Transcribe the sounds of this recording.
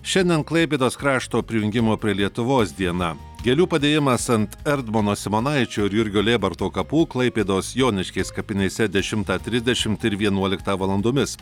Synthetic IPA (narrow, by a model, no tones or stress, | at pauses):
ʃʲɛnʲd̪ʲɛnklˠɐɪp̬ʲeːd̪oːskɾɑːʃt̪oːpʲɾʲɪjʊŋʲɡʲɪmoːpʲɾʲiɛlʲiɛt̪ʊʋoːsd̪ʲiɛnɑ | ɡʲɛlʲuːpɐd̪ʲeːjɪmɐsɐnt̪ɛɾd̪moːnoːsʲɛmoːnɐɪt͡ʃʲoːɪɾjʊɾʲɡʲoːlʲeːbɐɾt̪oːkɐpuːklˠɐɪpʲeːd̪osjoːnʲɪʃʲkʲɛɪskɐpʲɪnʲɛɪsʲɛd̪ʲɛʃʲɪmt̪ɑːt̪ʲɾʲɪzʲd̪ʲɛʃʲɪmt̪ɪɾʋʲiɛnuɔlʲɪkt̪ɑːʋɐlˠɐnd̪oːmʲɪs